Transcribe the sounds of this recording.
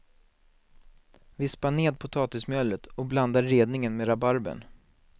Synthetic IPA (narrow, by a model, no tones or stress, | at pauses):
vɪspaneːd̪̚pʰʊt̪ʰɑːt̪ɪsmœːlːət̪ɔkbland̪aɾeːd̪nɪŋənmeɾabaɾbə̰n